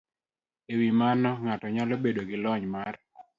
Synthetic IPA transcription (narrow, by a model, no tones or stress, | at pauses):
ewimanɔŋatɔɲalobedoɡɪlɔɲmar